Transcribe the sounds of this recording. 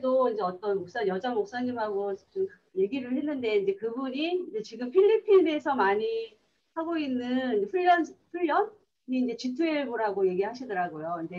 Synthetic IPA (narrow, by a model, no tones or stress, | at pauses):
edoind͡ʑe̞ʌt͈ʌnmok̚s͈anjʌd͡ʑaŋmok̚s͈anɲimɦaɡot͡ɕom | je̞ɡiɾɯɭhe̞nːɯnde̞ind͡ʑe̞kɯbuɲiind͡ʑe̞t͡ɕiɡɯmpʰiʎːipʰine̞sʰʌmaɲi | haɡoinːɯnind͡ʑeɸʰuʎːʌnɸuʎːʌn | ɲiːnd͡ʑe̞t͡ɕitʰueɭboɾaɡoje̞ɡiɦaɕʰidʌɾaɡojoind͡ʑe̞